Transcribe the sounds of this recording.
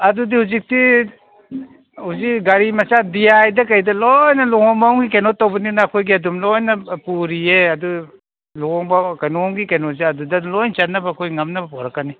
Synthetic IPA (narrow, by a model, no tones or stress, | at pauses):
ɐdudihuzik̚ti | huzikɡaɾimɐsadijajdɐkajdɐlojnɐluŋhɔŋbawŋɡikenotawbɐninɐːkʰojɡiɐdumlojnɐpuɾieɐdu | luŋɔŋbawkajnoŋɡikenoziɐdudɐlojnt͡ʃanːɐbɐkʰojŋɐmnɐbɐpɔɾakːani